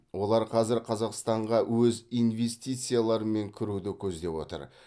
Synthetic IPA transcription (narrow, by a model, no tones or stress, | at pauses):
wo̞lˠɑɾqʰɑzɪɾqʰɑzɑqst̪ɑɴʁɑwɵzijnve̞st̪ijt̪sɨjalˠɑɾəme̞ŋkʲʰɪɾud̪ɪkʲʰɵzd̪e̞wo̞̰t̪ə̰ɾ